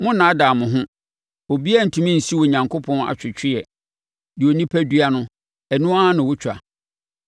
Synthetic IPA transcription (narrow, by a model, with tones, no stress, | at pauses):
mʊ̃˦nãː˨˦da˨mʊ̃˨ɦʊ̃˦ | o˨bi˦a˦n̩˨tʰũ˨mĩ˦n̩˨si˦wɔ˨ɲã˨ŋkʰo˦pʰɔ̃˦na̰˨t͡ɕᶣɪ˨t͡ɕʰᶣɪ˦jɛ˨ | dɪ˨o˨nĩ˦pʰæ˦dɥa˦nʊ̃˦ | ɛ˨nũ˦a˦ã˦nʊ̃˨wʊ˦t͡ɕᶣʰa̰˨